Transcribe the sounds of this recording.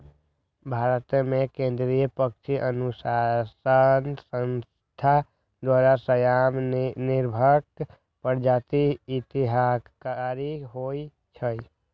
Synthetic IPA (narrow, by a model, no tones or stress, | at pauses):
bʱaɾət̪mekẽnd̪ɾijəpək̚t͡ʃʰiʔənusasənsəns | t̪ʰa | d̪waɾasəjamniɾbʱək | pəɾd͡ʒat̪iːt̪iɦakaɾiɦoj | t͡ʃʰəj